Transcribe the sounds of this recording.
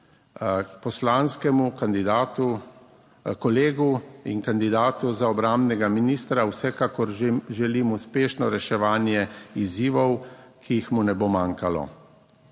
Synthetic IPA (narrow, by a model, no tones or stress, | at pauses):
pɔslaːnskɛmukand̪id̪at̪u | kɔleːɡuḭnkand̪id̪aːt̪uzaɔbɾambnɛɡaminist̪ɾawsɛkakɔɾʒɛlimuspeːʃnɔɾɛʃɛʋaːnjɛiziːʋɔwkʰijixmunɛbomaːŋkalɔ̰